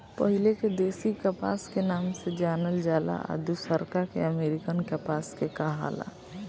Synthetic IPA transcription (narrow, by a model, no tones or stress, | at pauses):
pəɦɪleked̪eːsikəpa̰ːskenaːmsed͡ʒaːnəld͡ʒaːla̰ʔa̰d̪usəɾkakḛəmeːɾɪkənkəpaːskekaɦa̰la̰